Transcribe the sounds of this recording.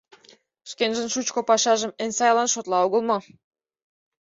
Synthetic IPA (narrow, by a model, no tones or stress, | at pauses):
ʃkenʒə̆nʃut͡ɕkŏpɑʃɑʒə̆mensɑjlɑnʃot̪lɑoɣə̆lˠmɤ